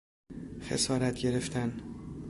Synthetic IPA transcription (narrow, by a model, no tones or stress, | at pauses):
xe̞̰sɒːɾæt̪ʰɟe̞ɾe̞ft̪ʰæn